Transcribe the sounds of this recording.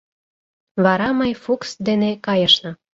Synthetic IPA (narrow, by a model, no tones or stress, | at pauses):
βɑɾɑməjfuksd̪enekɑjə̆ʃnɤ̆